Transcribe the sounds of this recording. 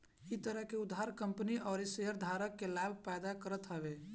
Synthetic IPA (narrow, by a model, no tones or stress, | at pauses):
it̪əɾəɦkeud̪ɦaɾkəmpəniʔɔːɾisejəɾd̪ʱaɾəkːelabʱpɛjd̪akəɾət̪ɦəbe